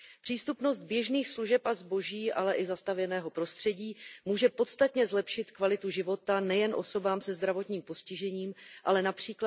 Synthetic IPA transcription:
pr̥iːst̪upno̞st̪̚bjɛʒniːxsluʒɛpazbo̞ʒiːʔalɛʔɪzast̪avjɛnɛːɦo̞pɾo̞st̪r̥ɛɟiːmuːʒɛpo̞t̪st̪at̪ɲɛzlɛpʃɪt̪kvalɪt̪uʒɪvo̞t̪anɛjɛnʔo̞̰so̞baːmsɛzd̪ɾavo̞t̪ɲiːmpo̞scɪʒɛɲiːmʔalɛnapr̝̥iːkla

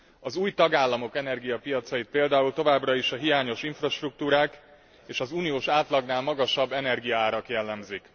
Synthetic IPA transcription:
ɒzuːjt̪ɒɡaːlːɒmo̞kɛnɛrɡijɒpijɒt̪sɒjit̪̚peːld̪aːult̪o̞vaːbrɒiʃɒɦijaːɲo̞ʃiɱfrɒʃt̪ruk̚t̪uːɾaːk | eːʃɒzuːnijoːʃaːt̪lɒɡnaːlmɒɡɒʃɒbːɛnɛrɡijɒaːɾɒkjɛlːɛmzik

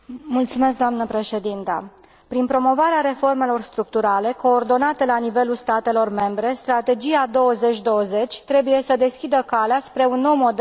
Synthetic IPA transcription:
mult̪sume̞s̬k̚d̪oamnəpɾe̞ʃe̞d̪int̪ə̰ | pɾinpɾo̞mo̞vaɾeaɾe̞fo̞rme̞lo̞rst̪ɾuk̚t̪uɾale̞ko̞ːrd̪o̞nat̪elanive̞lulst̪at̪e̞lo̞rme̞mbɾe̞st̪ɾat̪e̞d͡ʒiad̪o̞wəze̞t͡ʃʲd̪o̞wəze̞t͡ʃʲt̪ɾe̞buje̞səd̪e̞skʲid̪əkaleaspɾe̞unːo̞wmo̞d̪

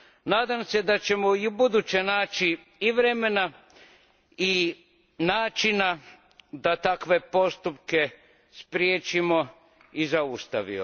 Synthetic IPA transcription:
naːd̪amse̞d̪at͡ɕe̞moiubud̪ut͡ɕe̞naːt͡ʃiː | ʋɾeme̞na | i | naːt͡ʃina | d̪at̪akʋe̞po̞st̪upke̞ | spɾjeːt͡ʃimo | izaust̪aʋḭo̰

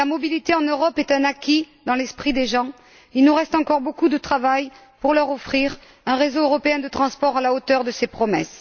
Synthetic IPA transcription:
lamɔbilit̪eɑ̃nøʁɔpɛt̪ɛ̃nakʲi | d̪ɑ̃lɛspχid̪eʒɑ̃ | ilnuʁɛst̪ɑ̃kɔʁbokud̪ət̪χavaj | puʁlœʁɔfχiʁ | ɛ̃ʁezoøʁɔpeɛ̃d̪ət̪χɑ̃spɔʁalaot̪œʁd̪əsepχɔmɛs

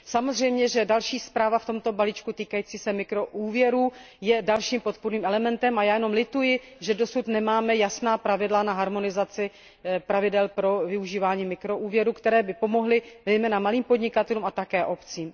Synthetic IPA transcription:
samozr̝ɛjmɲɛʒɛdalʃiːspɾaːvaft̪o̞mt̪o̞baliːt͡ʃkut̪iːkajiːt͡siːsɛmɪkɾo̞ʔuːvjɛɾuː | jɛdalʃiːmpo̞t̪̚puɾniːmʔɛlɛmɛnt̪ɛmajaːjɛno̞mlɪt̪ujɪ | ʒɛdo̞sut̪nɛmaːmɛjasnaːpɾavɪdlanaɦaɾmo̞nɪzat͡sɪ | pɾavɪdɛlpɾo̞vɪuʒiːvaːɲiːmɪkɾo̞ʔuːvjɛɾukt̪ɛɾɛːbɪpo̞mo̞ɦlɪzɛjmɛːnamaliːmpo̞dɲɪkat̪ɛluːmat̪akɛːʔo̞pt͡siːm

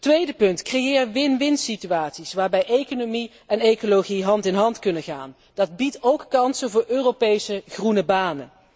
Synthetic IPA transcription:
tʋejdəpɵntkrejɪːɹʋɪnʋɪntsityaːtsisʋaːɹbɛjejkonomi | ɛnejkoloχiɦɑntɪnɦɑntkɵnəχa̰ːn | d̥ɑd̚bitowkkɑnsəvʊːɹøːropejsəχrunəbaːnə̰

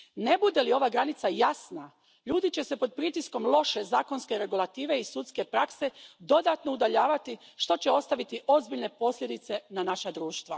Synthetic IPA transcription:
ne̞bud̪e̞lio̞ʋaɡɾanit̪sajasna | ʎuːd̪it͡ɕe̞se̞po̞d̪̚pɾit̪isko̞mlˠo̞ʃe̞zaːko̞nske̞ɾe̞ɡulˠat̪iːʋe̞isut̪ske̞pɾakse̞d̪o̞d̪at̪no̞ud̪aʎaːʋat̪iʃt̪o̞t͡ɕe̞o̞st̪aʋit̪iʔo̞zbiʎne̞po̞sʎʲe̞d̪it̪se̞nanaʃad̪ɾuːʃt̪ʋa

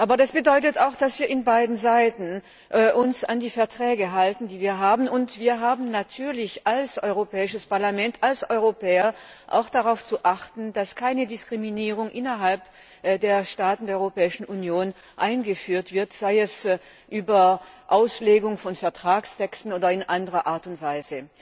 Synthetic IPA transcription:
ʔaːbɐdasb̥ədɔʏtətaʊxd̥asv̥iːɐɪnbaɪdn̩zaɪtn̩ | ʔʔʊnsandiːfɛɐtʁ̥ɛːɡəɦaltn̩diːviːɐɦaːbn̩ʊntv̥iːɐɦaːbm̩natʰyːɐlɪçalsʔɔʏʁopɛːɪʃəspaɐlamɛntʰalsʔɔʏʁopʰɛːɐ | ʔa̰ʊxd̥aʁaʊft͡suʔaχtn̩daskʰaɪnədɪskʁ̥iminiːʁ̞ʊŋʔɪnɐɦalp | deːɐʃtaːtn̩deɐɔʏʁopɛːɪʃn̩ʔunjoːn | ʔaɪnɡəfyːɐtv̥ɪɐtz̥aɪɛs | ʔyːbɐ | ʔaʊsleːɡʊŋfɔnfɛɐtʁ̥aːkstʰɛkstn̩oːdɐɪnʔandəʁɐʔaːɐtʊntv̥aɪzə

